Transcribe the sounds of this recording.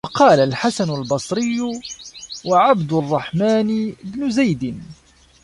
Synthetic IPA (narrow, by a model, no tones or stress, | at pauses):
ɑqɑːlalħasanʊlbɑsˤɾɪjːʊ | waʕabd̪ʊrˤːɑħmaːnbnʊzajd̪ɪn